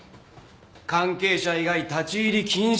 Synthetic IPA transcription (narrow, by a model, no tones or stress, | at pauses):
kãŋke̞ːɕaiɡait̪at͡ɕiːɾʲikʲʰĩɰ̃ɕ